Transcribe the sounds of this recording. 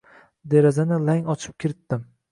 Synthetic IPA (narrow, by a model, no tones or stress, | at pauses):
d̪e̞ɾazanɪlaŋɒt͡ʃʰɪ̥p̚kʲɪɾɪt̪ːɪm